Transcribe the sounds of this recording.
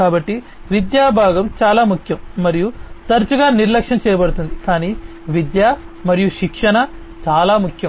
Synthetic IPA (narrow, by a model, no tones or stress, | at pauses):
kaːbɐʈːi | ʋid̪jaːbʱaːɡɐmt͡ʃaːlaːmukʰjɐmːɐɾijut̪ɐɾt͡ʃuɡaːniɾlɐkʂɐnɐt͡ʃɛːjɐbɐɽut̪und̪ikaːniː | ʋid̪jaːmɐɾijuʃikʂɐɳɐ | t͡ʃaːlaːmukʰjɐm